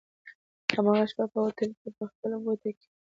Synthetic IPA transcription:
hamɑɣaʃpapəwat̪əlkepəxpəlaɡot̪ake̥

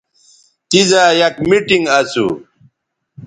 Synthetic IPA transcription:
t̪izajɐkmiʈiŋɡɐsṵ

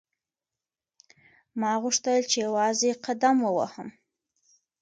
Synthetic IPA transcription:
mɑɣuʂt̪əlt͡ʃejawɑzeqad̪amwəwa̰həm

